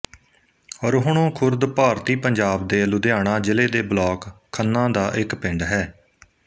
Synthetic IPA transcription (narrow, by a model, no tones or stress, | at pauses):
ɔːɾɦʊɳ̃õːkʰʊɾd̪paːɾt̪iːpəɲd͡ʒaːb̚d̪eːlʊd̪jaːɽ̃ãːd͡ʒɪleːd̪eːblɔːkʰː | ənːãːd̪aːʔɪkpɪ̃ɳɖɦɛː